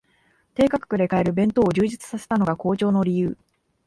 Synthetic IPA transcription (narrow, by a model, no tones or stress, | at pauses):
t̪e̞ːkakɯ̟̥kɯ̟ɾe̞kaeɾɯ̟bẽ̞nt̪o̞ːʑɨːʑit͡sɨ̥sase̞̥t̪ano̞ɡako̞ːt͡ɕo̞ːno̞ɾʲijɯː